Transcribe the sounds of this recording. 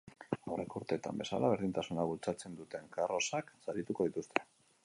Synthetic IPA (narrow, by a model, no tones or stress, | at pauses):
awre̞kouɾt̪e̞ːt̪a̰mbe̞sa̰laβe̞ɾð̞int̪asunaβult͡sat͡se̞nd̪ut̪e̞ŋkarosaksaɾit̪uko̞ðit̪ust̪ʰe̞